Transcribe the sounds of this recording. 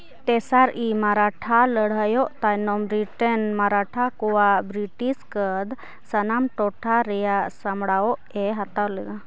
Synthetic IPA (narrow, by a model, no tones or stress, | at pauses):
t̪ɛsaɾimaɾaʈʰaləɽ̤əjɔʔt̪ajnɔmɾiʈənmaɾaʈʰakɔwabɾiʈiskəd̪ | sənamʈɔʈʰaɾɛjasamɽaɔʔɛɦat̪awlɛɡa